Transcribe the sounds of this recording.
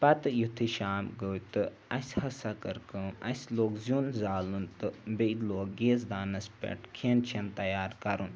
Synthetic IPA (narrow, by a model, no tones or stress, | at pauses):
pɐt̪ɨjut̪ʰiʃaːmɡəwt̪ɨ | ɐsʲhɐsɐkəɾkɨːɐsʲloːkzʲunzaːlunt̪ɨbej̪loːk̚ɡeːz̬d̪aːnɐspʲḛʈkʰeːnt͡ʃʰent̪ɐjaːɾkɐɾun